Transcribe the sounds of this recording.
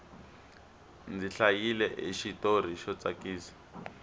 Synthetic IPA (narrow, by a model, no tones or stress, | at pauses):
nd͡ziɬajilɛʔeʃitor̤iʃɔt͡sakiːsḁ